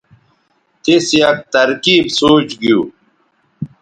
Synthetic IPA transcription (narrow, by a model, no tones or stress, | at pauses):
t̪isjɐk̚t̪ɐɾkiːbsoːt͡ɕɡijuː